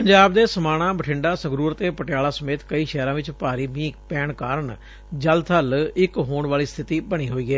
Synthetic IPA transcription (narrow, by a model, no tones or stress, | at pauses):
pəɲd͡ʒaːbd̪eːsəmaːɽ̃ãːbəʈʰɪɳɖaːsəɡɾuːɾt̪eːpəʈjaːlaːsəmeːt̪kəiːʃɛːɾãːʋɪt͡ʃpaːɾiːmiːkpɛːɳkaːɾəɳ | d͡ʒəlt̪ʰəlɪkɦoːɳʋaːliːst̪ʰɪt̪iːbəɽ̃iːɦoːiːɡeː